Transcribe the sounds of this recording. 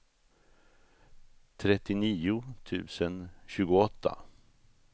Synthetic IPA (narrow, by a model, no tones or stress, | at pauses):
t̪ʰɾɛt̪ːɪniːʊt̪ʰʉ̟̰ːsənɕʉ̟ːɡʊɔt̪ʰːa̰